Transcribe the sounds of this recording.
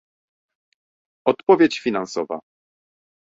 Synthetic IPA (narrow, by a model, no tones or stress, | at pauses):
ɔt̪pɔvʲjet͡ɕfʲinãnsɔva̰